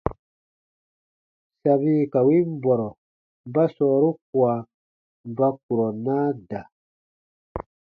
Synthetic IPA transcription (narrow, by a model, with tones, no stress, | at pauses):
sa˨βi˦ka˨wi˦m˦bɔ˨ɾɔ˨ | m˨ba˦sɔː˨ɾu˦k̚wa˨ | m˨ba˦k̚u˨ɾɔ˨naː˦da˨